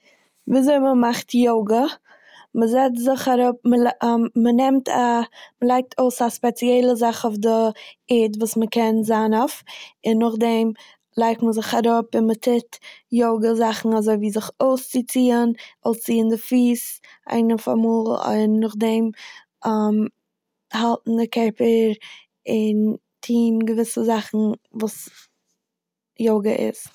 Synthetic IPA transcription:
viːzoɪməmaχtjoʊɡə | məzɛt͡stzɪχaɾʊp̚məmənɛmtʰaməlˠaɪk̚tʰoʊsaspɛt͡siɛɪlˠəzaχoʊfdɪɛːdvuːsməkʰɛnzanofɪnːʊχdɛm | lˠaɪk̚tməzɪχaɾʊpɪnmətʰɪtjoʊɡəzaχn̩azoɪviːzɪχoʊst͡sɪt͡siːənɔlˠt͡siːəndɪfiːs | a̰ɪnəfa̰muːlˠɪ̰nːʊχdɛm | am | halˠtn̩dɪkɛpəɾ | ɪn | tʰiːnɡəvɪsəzaχn̩vuːs | joʊɡəʔɪ̰s

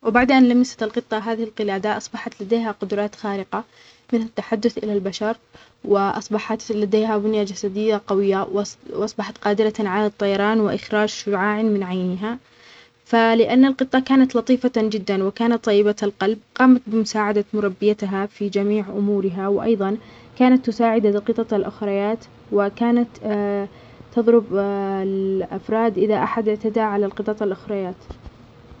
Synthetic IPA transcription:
wɪbaʕd̪ʔanlamɪsḁt̪ɪlqɨt̪ˤːɑɦaːðɪhɪlqɪlaːd̪aʔɑsˤbɑħɑt̪lad̪eːɦaqʊd̪ɾˤɑːt̪xaːɾɪqa | mɪnhat̪ːaħad̪ːʊθʔɪ̰lalbaʃɑɾˤ | wɪʔɑ̰sˤbɑħɑt̪lad̪eːɦabʊnjad͡ʒasad̪ɪjːaqɑwɪjːawwʔɑsˤbɑħɑt̪qɑːd̪ɪɾaʕalat̪ˤːɑjɑɾˤɑːnwɪʔɪxɾaːd͡ʒʃʊʕaːʕɪnmɪnʕajnɪɦa | falɪʔanːalqɨt̪ˤːɑkaːnat̪lɑt̪ˤiːfad͡ʒɪd̪ːanwɪkaːnat̪ˤːɑjːɪbaalqɑlb̚qɑːmat̪̚bɪmʊsaːʕad̪amʊɾˤɑbːɪjat̪ɦafid͡ʒamiːʕʔʊmuːɾɪɦawɪʔɑ̰jðˤɑnkaːnat̪ːʊsaːʕɪd̪aqɨt̪ˤɑt̪lʔʊxɾˤɑjaːt̪ | wɪkaːnat̪ | t̪ɑðˤɾʊblʔafɾˤɑːd̪ʔɪðaʔaħad̪ʔɪʕt̪ad̪aʕalalqɨt̪ˤɑt̪ˤalʔʊxɾˤɑjaːt̪

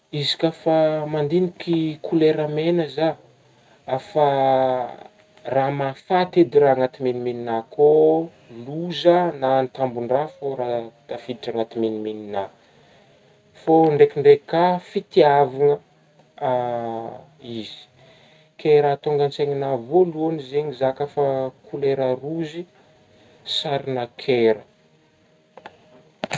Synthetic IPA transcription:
izi̥kʲafamand̪inikikʰuleɾamenəza | afa | ramafat̪ed̪iɾaaŋat̪iminimininako | luzənant̪ambunrafoɾat̪afid̪iʈ͡ʂaŋat̪iminiminina | foɳɖ͡ʐekiɳɖ͡ʐekafit̪iaviŋə | izi̥ | keɾat̪oŋɡant͡seɲinavoluonizeɲizakəfakʰuleɾəruzi | saɾinakʰeɾə

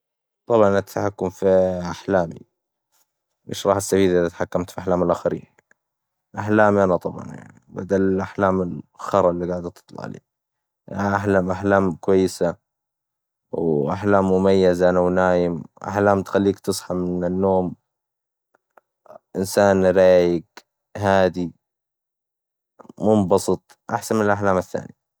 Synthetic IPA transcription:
t̪ˤɑbʕɑnnat̪aħakːʊmfiʔaħlaːmḭ | ʔḛːʃɾˤɑːħast̪afiːlʔɪðat̪ħakːamt̪fiʔaħlaːmɪlʔaxaɾḭːn | lʔaħlaːmiʔanat̪ˤɑbʕɑ̰nja̰ʕniba̰d̪alɪlʔaħlaːmɪlxɑɾˤɑlːiɡaːʕd̪t̪ɨ̥t̪ˤlɑ̰ʕlḛː | ʔʔaħlaːmʔaħlaːmkwajːɪsa | wʔaħlaːmːʊmajːazaʔanawnaːjɪmʔa̰ħlaːmt̪xalːiːkt̪ɨsˤħɑmɪnanːoːm | ʔɪnsaːnɾaːjɪɡ | ɦaːd̪i | mʊmbɑsˤɨt̪ˤʔaħsanmɪnalʔaħlaːmaθːa̰ːnḭ

